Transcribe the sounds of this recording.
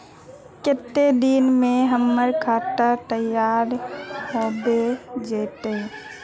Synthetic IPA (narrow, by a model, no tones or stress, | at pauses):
kɪt̪ːed̪inmẽɦəmːəɾkʰaːt̪ət̪əjaːɾɦoːbed͡ʒeːt̪e